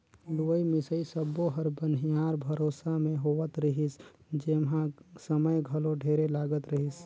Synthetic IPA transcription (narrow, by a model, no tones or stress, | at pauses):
luəimɪsəisəboɦəɾbənɦijaɾbʱəɾoːsamẽɦoʋət̪ɾəɦis | d͡ʒemɦãsəməjɡʱəloɖʱeɾelaːɡət̪ɾəɦis